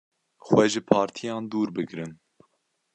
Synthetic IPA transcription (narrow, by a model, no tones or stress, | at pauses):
xwɛʒɨpʰɑːɾt̪ʰijɑːnd̪uːɾbɨɡɾɨn